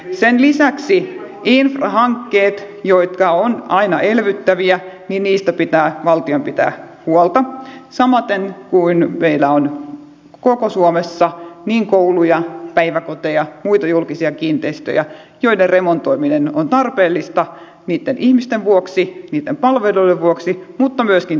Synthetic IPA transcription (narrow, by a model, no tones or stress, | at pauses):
senlisæksi | infrɑhɑŋkːeːt̪ | joit̪kɑonɑinɑʔelʋyt̪ːæʋiæniːnniːst̪æpit̪æːʋɑlt̪iompit̪æ̰ː | huolt̪ɑsɑmɑt̪enkuinmeilːæon | kokosuomesːɑniːŋkoulujɑpæiʋækot̪ejɑmuit̪ɑjulkisiɑkiːnt̪eist̪ø̰jæ̰ | joiderremont̪oiminenont̪ɑrpeːlːist̪ɑ | niːt̪ːenʔihmist̪eʋʋuoksiniːt̪ːempɑlʋeluideʋʋuoksimut̪ːɑmyøskin